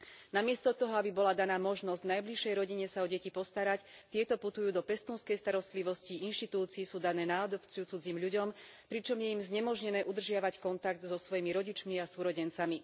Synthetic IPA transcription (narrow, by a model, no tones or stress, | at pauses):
namɪɛst̪ɔt̪ɔɦɔabibɔlad̪anaːmɔʒnɔzɟnajbliʃɛjɾɔɟiɲɛsaɔɟɛcipɔst̪aɾac | t̪ɪɛt̪ɔput̪ujuːd̪ɔpɛst̪uːnskɛjst̪aɾɔst̪liʋɔsciʔinʃt̪it̪uːt͡siːsuːd̪anɛːnaːd̪ɔpt͡sijut͡sud͡ziːmʎuɟɔm | pɾit͡ʃɔmjɛimzɲɛmɔʒɲɛnɛːʔud̪r̩ʒɪaʋackɔnt̪aɡ̚d̪zɔsʋɔjimiɾɔɟit͡ʃmiasuːɾɔɟɛnt͡sami